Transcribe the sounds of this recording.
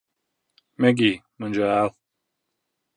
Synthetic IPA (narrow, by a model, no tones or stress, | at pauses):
meɡimund͡ʑaːw